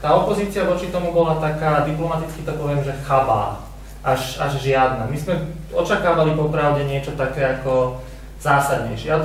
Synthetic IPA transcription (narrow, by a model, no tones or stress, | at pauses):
t̪aːɔpɔziːt͡siaʋɔt͡ʃit̪ɔmubɔlat̪akaːd̪iplɔmat̪it͡skit̪ɔpɔʋɪɛmʒɛxaʋa̰ː | ʔaʒaʒʒɪad̪namizmɛ | ɔt͡ʃakaːʋalipɔpɾaʊɟɛɲɪɛt͡ʃɔt̪akɛːakɔ | z̥aːsad̪ɲɛ̰jʃɛa